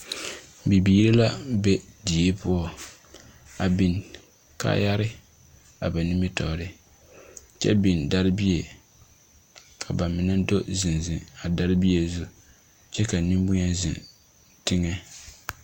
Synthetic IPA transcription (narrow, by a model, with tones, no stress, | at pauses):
bi˨biː˦ɾɪ˦la˦be˦di˨e˦pʊ˦ɔ˦˨ | a˨bi˨n | ka̰˦ja˦ɾɪ˦ | a˨ba˨nɪ˦mi˦tɔ˨ɾɪ˨ | t͡ʃɛ̰˦bi˨nda˦ɾɪ˦bi˦e˨ | kʰa˨ba˨mɪ˨na˦do˦zɪ˨nzɪ˨a˨da˦ɾɪ˦bi˦e˨zu˦ | t͡ʃɛ˦ka˨nɪ˦m˦bʊ˦ɲa˦zɪ̰˨n | tɪ˦ŋɛ˦